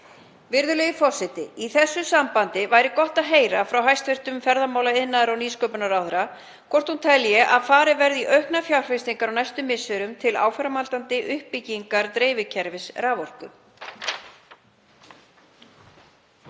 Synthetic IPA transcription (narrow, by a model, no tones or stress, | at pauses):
vɪɾðʏlɛɣɪfɔr̥sɪt̪ɪ̰iθɛsːʏsampant̪ɪvajɾɪkɔht̪aðɦeːjɾafɾawɦajst̪fɪr̥t̪ʏmfɛɾðamaːwlaɪðnːaðɾawniːskœpʏnaɾawθʏɾa | kʰvɔr̥t̪hunt̪ʰɛljɛʔaðfaːɾɪvɛɾðiʔœɥhknafjawr̥fɪst̪iŋkaɾawnajst̪ʏmːɪsːʏɾʏmt̪ʰɪla̰ːwfɛɾamalt̪ant̪ɪʔʏhpːicːiŋkaɾt̪ɾeːjvɪcʰɛɾvɪsɾavɔr̥kʏ̰